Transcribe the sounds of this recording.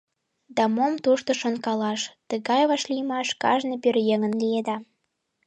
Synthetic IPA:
d̪ɑmomt̪uʃt̪ŏʃonkɑlɑʃt̪əɣɑjβɑʃlijmɑʃkɑ̰ʒnɤpørjeŋənlied̪ɑ

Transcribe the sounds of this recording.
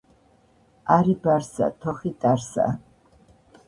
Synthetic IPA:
aɾibaɾsa̰t̪ʰɔχit̪ʼaɾsa̰

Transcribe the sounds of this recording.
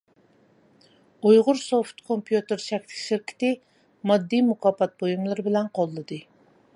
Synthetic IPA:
ujʁʊɾsoft̪kʰompʰjut̪ɨɾʃɛkʲt̪ʰɪ̥kʲʃɪɾkʲʰɪ̥t̪ɪ | mɑd̪ːijmukʰɑːpɑt̪̚bojumlˠɨɾɨbɪlɛnqʰolˠːɨd̪ɨ

